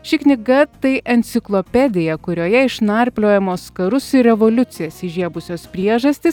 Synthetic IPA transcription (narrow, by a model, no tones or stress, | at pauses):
ʃʲɪknʲɪɡɐt̪ɐɪʔɛnʲt̪sʲɪklˠopʲɛd̪ʲɪjɛkʊɾʲoːjɛɪʃnɐɾʲpʲlʲoːjɛmoːskɐɾʊsɪɾʲɛʋoːlʲʊt̪sʲɪjɛːsɪʒʲiɛbʊsʲoːspʲɾʲiɛʒɐsʲt̪ʲɪs